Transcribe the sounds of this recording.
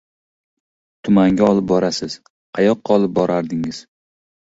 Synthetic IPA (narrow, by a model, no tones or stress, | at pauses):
t̪ʰʊmaŋɡʲaɒlˠɪp̚bɒɾasɪz̥ | qʰɑjɒqːɑɒlˠɪp̚bɒɾaɾd̪ɪŋɪz̥